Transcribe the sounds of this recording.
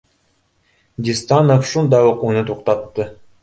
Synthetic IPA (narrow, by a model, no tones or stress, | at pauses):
d̪ʲist̪ɑnofʃund̪ɑjoquːnət̪ʰuqt̪ɑt̪ːɤ